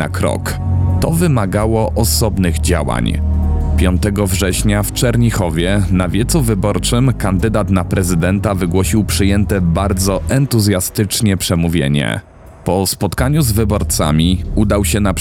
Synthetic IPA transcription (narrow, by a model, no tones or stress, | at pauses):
a̰kɾɔ̰k | t̪ɔvɘmaɡawɔʔɔsɔbnɘɣd͡ʑawa̰ɲpʲjɔnt̪ɛɡɔvʐɛɕɲaft͡ʂɛɾɲixɔvʲjɛnavʲjɛt̪suvɘbɔɾt͡ʂɘmkand̪ɘd̪at̪napɾɛzɘd̪ɛnt̪avɘɡwɔɕiwpʂɘjɛnt̪ɛbaɾd̪zɔɛnt̪uzʲjast̪ɘt͡ʂɲɛpʂɛmuvʲjḛɲɛ̰ | pɔspɔt̪kaɲuzvɘbɔɾt̪sa̰mʲiud̪awɕɛna